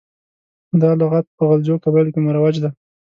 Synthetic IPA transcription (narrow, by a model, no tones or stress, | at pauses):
d̪ɑlaɣat̪̚pəɣald͡ʒokabajlokemaɾawad͡ʒd̪a